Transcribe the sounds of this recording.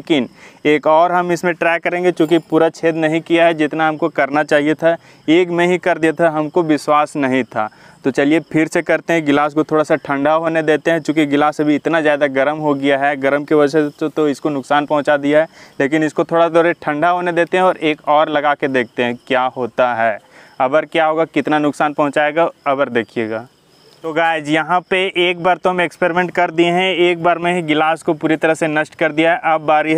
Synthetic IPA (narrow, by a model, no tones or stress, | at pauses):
lekɪneːkɔːɾɦɐmɪsmẽʈɾɛːɐɾẽːŋɡet͡ʃjũːk̬ipuːɾat͡ʃʰeːd̪nɐɦĩkijaɦɛd͡ʒɪt̪naɦɐmkokɐɾnat͡ʃaːɦiet̪ʰa | eːkmẽɦikɐɾd̪ijat̪ʰaɦɐmkoʋɪswaːsnɐɦĩt̪ʰa̰ː | t̪ot͡ʃɐliepʰɪɾsekɐɾt̪ẽɦɛ̃ɡɪlaːs̬kot̪ʰoːɽasaʈʰɐ̃ɳɖʱaɦoːned̪eːt̪eɦɛ̃t͡ʃjõːkiɡɪlaːsɐbʱiɪt̪nazjaːd̪aɡɐɾəmɦoɡijaɦɛɡɐɾəmkeʋɐd͡ʒset̪oɪskonʊksaːnpɐ̃ɦʊ̃t͡ʃad̪ijaɦɛːleːk̬ɪnɪskot̪ʰoːɽat̪ɔːɾeʈʰɐ̃ɳɖaɦoːned̪eːt̪eɦɛ̃ɔːɾeːkɔːɾlɐɡaːked̪eːkʰt̪eɦɛ̃kjaːɦoːt̪aɦɛːɐbəɾkjaːɦoːɡakɪt̪nanʊksaːnpɐɦʊ̃t͡ʃaːeːɡaɐbəɾd̪eːkʰijeːɡaː | t̪oɡaːɪd͡ʒjɐɦãpeʔeːkbaːɾt̪oɦɐmekspeːɾɪmẽːɳʈ̚kɐɾd̪iẽɦɛ̃eːk̚baːɾmẽɦiɡɪlaːskopuːɾit̪ɐɾəɦsenɐʃʈkɐɾd̪ijaɦɛʔɐbːaːɾi